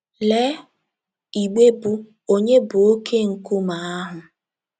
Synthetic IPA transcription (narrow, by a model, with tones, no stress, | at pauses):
le˦ | i˨ɡ͡be˦bu˦ | o˦ɲe˦bʊ˨o˦kʰe˦ŋ̩˨ku˦ma˨a˦ɦʊ˨